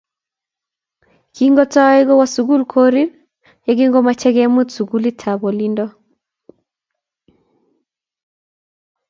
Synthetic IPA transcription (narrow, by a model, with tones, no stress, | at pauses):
ki˦ŋɡɔ˦ta˦we˦ɣɔ˦wa˨˦su˨ɣu˦lkʰɔ˦ɾi˦β | ja˨ɡi˦ŋɡɔ˦ma˨t͡ʃɛ˦ɣɛ˦mu˦tsu˨ɡu˦li˦tʰa˨βɔ˨lindɔ˦